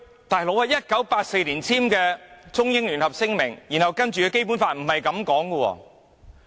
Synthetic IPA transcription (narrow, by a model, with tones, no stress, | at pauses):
t̪aː˨˩jlo˨˥wɐ˨˧jɐ˥t̚kɐ˨˥wpaː˧t̚se˧jli˨˩nt͡sʰiː˥mkɛː˧t͡sʊ˥ŋjɪ˥ŋlyː˨˩nhɐ˨p̚sɪ˥ŋmɪ˨˩ŋjiː˨˩nhɐ˨wkɐ˥nt͡ʃyː˨kɛː˧ke˥jp̬uː˨˥nfaː˧t̚m̩˨˩hɐ˨jkɐ˨˧˥mkɔː˨˥ŋkə˧wɔ̰ː˧